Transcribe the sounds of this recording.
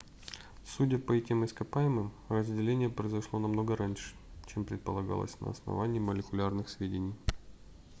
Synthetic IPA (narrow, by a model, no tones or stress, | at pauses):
sudʲəpəɛtʲɪmɪskɐpajɪmɨm | rəzʲdʲɪlʲenʲɪjəpɾəjɪzɐʂlˠo̞nɐmno̞ɡəɾanʲʂɨ̥ | t͡ɕempɾʲɪt̪̚pəlˠɐɡa̰lˠə̰sʲnə̰ɐ̰snɐ̰vanʲɪːməlʲɪkʊlʲarnɨxsvʲedʲɪnʲɪj